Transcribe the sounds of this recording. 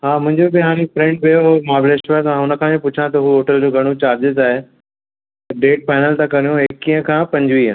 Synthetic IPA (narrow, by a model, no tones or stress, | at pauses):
ɦaːmʊ̃ɦɪ̃ɲd͡ʑobɪɦaːɾ̃ẽfɾẽːɳʈ̚bejoɦomãːbleʃʈʋat̪mãɦʊnə̆kʰãẽpʊt͡ɕʰãt̪ɐɦuɦoːʈəld͡ʑoːɡʱɐɽ̃ot͡ɕaːɾd͡ʑɪzaːɦe | ɖeːʈ̚faːɪnəlt̪ãkɐɾijõekiɦə̃kʰãpɐ̃ɲd͡ʑʋiːə̃